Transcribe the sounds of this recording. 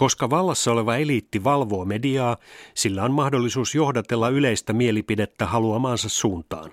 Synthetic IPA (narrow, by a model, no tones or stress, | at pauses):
ko̞skɑʋɑlːɑsːɑo̞le̞ʋɑelit̪ːiʋɑlʋo̞ːmediɑːsilːæonmɑhdolːisuːsjo̞hdɑt̪e̞lːɑyle̞ist̪æmielipide̞t̪ːæhɑluɑmɑːnsɑssuːnt̪ɑ̰ːn